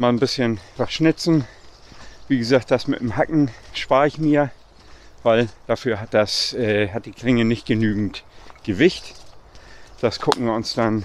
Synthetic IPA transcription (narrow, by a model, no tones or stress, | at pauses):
maːlənbɪsçənv̥asʃnɪt͡sn̩ | viːɡəzaːk̚t̚d̥asmɪ̰tdemhakŋ̩ʃpaɐɪçmiːɐ | v̥aɪld̥afyːɐɦat̚d̥asʔɛːhat̚d̥iːkʰl̥ɪŋənɪçt̚ɡ̥ənyːɡŋ̩tɡ̥əvɪçt | d̥askʰʊkŋ̩viːɐʊnsd̥an